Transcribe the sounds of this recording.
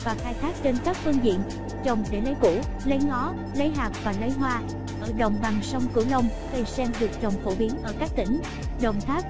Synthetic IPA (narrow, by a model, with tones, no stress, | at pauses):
vaː˨˩xaː˧jt̪ʰaː˦˥k̚t͡ɕe˧nkaː˦˥k̚fɨ˧ŋzḭ˧˨ən | t͡ɕə˨˩wŋ͡mɗe˧˩lə˨˦jku˧˩ | lə˨˦jŋɔ˨˦ | lə˨˦jɦaː˨˩k̚vaː˨˩lə˨˦jɦwaː˧ | ʔəː˧˩ɗə̰˨wŋ͡mva˨˩ŋsə˧wŋ͡mkɨ˧˩lə˧wŋ͡m | ɣə˨˩jsɛ˧ŋɗɨ˨˩ək̚t͡ɕɔ˨˩wŋ͡mfo˧˩ɓi˨˦ənʔəː˧˩kaː˦˥k̚t̪ï˧˩˦ŋ̟ | ɗə˨˩wŋ͡mt̪ʰaː˦˥k̚